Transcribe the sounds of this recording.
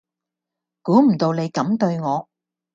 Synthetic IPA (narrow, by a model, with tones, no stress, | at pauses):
kuː˨˥m̩˨˩t̪o˧wne˨˧jkɐ˨˥mt̪ɵ˧ɥŋɔː˨˧